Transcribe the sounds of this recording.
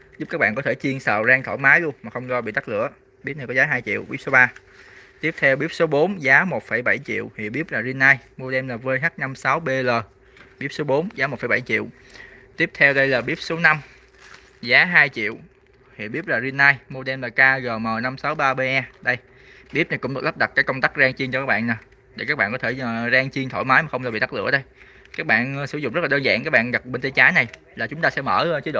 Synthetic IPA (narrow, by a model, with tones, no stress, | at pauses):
zʊ˦p̚kaː˦˥k̚ɓ̰ːnkɔ˨˦t̪ʰe˧˩t͡ɕi˧ənsə̰ː˨˩zaː˧ŋt̪ʰo˧˩jmaː˨˦jlu˧əŋmaː˨˩xə˧wŋ͡mzɔ˧ɓḭ˧˨t̪a˦˥lɨ̰˧˥˨ə | ɓi˦˥t̚nə˧jkɔ˨˦zaː˨˦ɦaː˧jt͡ɕḭ˧˨əwɓi˦˥p̚so˨˦ɓaː˧ | t̪i˦˥əp̚t̪ʰɛ˧wɓi˦˥əp̚so˨˦ɓo˨˦nzaː˨˦mo˨˩t̚fə˧˩jɓa˧˩jt͡ɕḭ˧˨əwhḭ˧˨ɓi˦˥əp̚laː˨˩zi˧nːaː˧jmu˧ɗɛ˧mlaː˨˩vəː˧jɦaː˦˥k̚na˧msa˨˦wɓe˧ləː˨˩ | ɓi˦˥əp̚so˨˦ɓo˨˦nzaː˨˦mo˨˩fəː˧˩jɓa˧˩jt͡ɕḭ˧˨w | t̪i˦˥əp̚t̪ʰɛ˧wɗə˧jlaː˨˩ɓi˦˥əp̚so˨˦na˧m | zaː˨˦ɦaː˧jt͡ɕḭ˧˨əw | hḭ˧˨ɓi˦˥p̚laː˨˩zi˧ənːaː˧jmo˧ɗɛ˧nmlaː˨˩kaː˧ɣə˨˩məː˨˩na˧msa˨˦wɓaː˧ɓe˧ʔa˧ɗə˧j | ɓi˦˥əp̚na˨˩jkʊ̰˧˥ŋ͡mɗɨ˨˩la˦˥p̚ɗa˨˩kaː˨˦jkə˧wŋ͡mt̪aː˦˥k̚zaː˧ŋt͡ɕi˧ŋt͡ɕɔ˧kaː˦˥k̚ɓa̰ː˧˨na˨˩ | ɗe˧˩kaː˦˥k̚ɓa̰ː˧˨nkɔ˨˦t̪ʰe˧˩˨zaː˧ŋt͡ɕi˧əŋt̪ʰo̰˧˩jmaː˨˦jmaː˨˩xə˧wŋ͡mla˧˩ḭ˧˨ɗa˦˥lɨ̰˧˨əɗə˧j | kaː˦˥k̚ɓa̰ː˧˨n˧sɨ˧˩˦zʊ̰˧˨ŋ͡mzə˦˥t̚laː˨˩əː˧nza̰ː˧˨ŋkaː˦˥k̚ɓaː˧˨nɣa˨˩p̚ɓe˧nt̪i˧t͡ɕaː˨˦jna˨˩j | laː˨˩t͡ɕʊ˨˦ŋ͡mt̪aː˧sɛ̰˧˥mə̰ː˧˩˧t͡ɕe˨˦jɗo̰˧˨